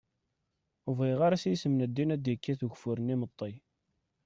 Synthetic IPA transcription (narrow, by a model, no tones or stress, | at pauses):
uviʁaɾasjsəmnəd̪ːinæd̪jikːæθuʝfʊɾənimət̪ˤːi